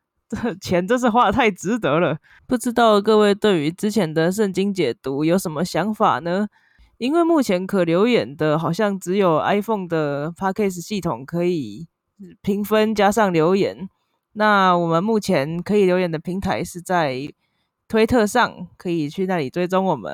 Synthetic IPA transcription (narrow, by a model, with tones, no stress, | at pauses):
tə˥˩t͡ɕʰjɛ˧˥nʈ͡ʂo˥˧ʂ̬̩˥˧xwa˥˧t̪ʰa˥˩ɪʈ͡ʂɻ̩˧˥t̪ɤ˧˥lə˧ | pu˥˩ʈ͡ʂɻ̩˥t̪ɑ˥˧ʊkɤ˥˧we˥˩ɪt̪we˥˩ɪy˧˥ʈ͡ʂɻ̩˥t͡ɕʰjɛ˧˥nd̪ə˨ʂ̬ə˥˩nt͡ɕi˥ŋt͡ɕjɛ˨˩t̪u˧˥jo˧˥ʊʂə˧˥nmə˧ɕjɑ˧˥ŋfa̰˨˩nə˦ | i˥nwe˥˧ɪmu˥˩t͡ɕʰjɛ˧˥nkʰə˨˩ljo˧˥ʊjɛ˨˩nd̪ə˦xɑ˨˩ʊɕjɑ˥˩ŋʈ͡ʂɻ̩˧˥jo˨˩ʊʔa̰˥ɪfo˥˩ŋd̪ə˩pʰa˥kʰe˥˩s̬̩˨ɕi˥˩t̪ʰʊ˨˩ŋkʰɤ˧˥i˨˩˥ | pʰi˧˥ŋfə˦nt͡ɕja˥ʂɑ˥˩ŋljo˧˥ʊjɛ̰˨˦n | na˥˩wɔ˨˩mə˦nmu˥˩t͡ɕʰjɛ˧˦nkʰɤ˧˥i˨˩ljo˧˥jɛ˨˩nd̪ə˧pʰi˧˥ŋt̪ʰa˧˥ɪʂɻ̩˥˧t͡sa˥˩ɪ | t̪ʰwe˥ɪt̪ʰɤ˥˧ʂɑ˥˩ŋkʰɤ˧˥i˨˩t͡ɕʰy˥˧na˥˩li˨˩t̪we˥ɪt͡so˥ŋwɔ˨˩mə̰˦n